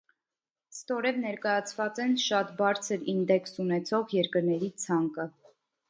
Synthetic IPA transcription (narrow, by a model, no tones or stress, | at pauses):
st̪ɔɾɛvnɛɾkɑjɑt͡sʰvɑt͡sɛnʃɑt̪bɑɾt͡sʰəɾind̪ɛksunɛt͡sʰɔʁjɛɾkəɾnɛɾit͡sʰɑŋkə